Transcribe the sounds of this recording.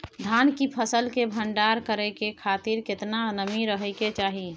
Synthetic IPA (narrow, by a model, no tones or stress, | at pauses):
d̪ʱankipʰəsəlkebʱəɳɖaɾkəɾɛkekʰat̪iɾket̪nanəmiɾəɦɛɪket͡ʃaːɦi